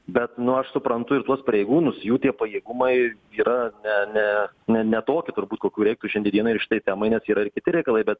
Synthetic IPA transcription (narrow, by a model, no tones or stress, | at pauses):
bʲɛt̪nʊɐʃsʊpɾɐnt̪ʊɪɾt̪uɔspɐɾʲeɪɡuːnʊsjuːt̪ʲiɛpɐjeːɡʊmɐɪ | iːɾɐnʲɛnʲɛnʲɛnʲɛt̪oːkʲɪt̪ʊɾbuːt̪koːkʲuːɾʲɛɪkt̪uːʃʲɛnd̪ʲiɛd̪ʲiɛnʊɪɾrʃɪ̥t̪ɐɪt̪ʲæːmɐɪnʲɛsiːɾɐɪɾkʲɪt̪ʲɪɾʲɛɪkɐlˠɐɪbʲɛt̪̚